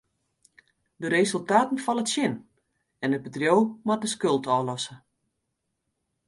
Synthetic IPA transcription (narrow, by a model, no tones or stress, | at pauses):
dəɾezølˠtaːtən̩fɔnətsjɪn | ɛnət̚bədrjowmat̚əskølˠtɔːlɔsə